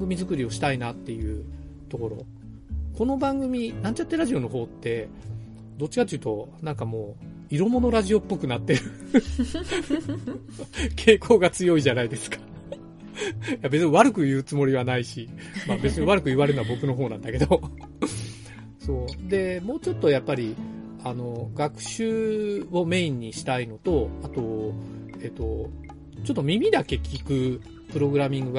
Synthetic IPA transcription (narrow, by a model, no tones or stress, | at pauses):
ɡɯ̟mʲizɨkɯ̟ɾʲio̞ɕi̥t̪ainat̪ːe̞jɯ̟ː | t̪o̞ko̞ɾo̞̰ | ko̞no̞bãŋɡɯ̟mʲinãɲt͡ɕat̪ːeɾaʑio̞no̞ɦo̞ːt̪ːe̞ | d̪o̞t͡ɕːi̥kat̪oejiɯ̟t̪o̞nãŋkamo̞ː | iɾo̞mo̞no̞ɾaʑio̞pːo̞kɯ̟nat̪ːe̞ɾɯ̟ | kʰe̞ːkʰo̞ːɡat͡sɨjo̞iʑanaid̪e̞sɨ̥kḁ | jabe̞t͡sɨɲʲiβaɾɯ̟kɯ̟jɯ̟ːt͡sɨmo̞ɾʲiβanaiɕi | mabe̞t͡sɨɲiβaɾɯ̟kɯ̟iβaɾeɯnabo̞kɯ̟no̞ɦo̞ːnãnd̪ake̞d̪o̞ | so̞ːd̪e̞mo̞ːt͡ɕo̞t̪ːo̞japːaɾʲi | ano̞ɡakɯ̟̥ɕɨːo̞me̞ĩɲ̟ːiɕi̥t̪aino̞t̪o̞at̪o̞ | e̞ːt̪o̞ | t͡ɕo̞t̪ːomʲimʲid̪ake̞kʲʰikɯ̟ | pɯ̟ɾo̞ɡɯ̟ɾamʲĩŋɡɯ̟ɡ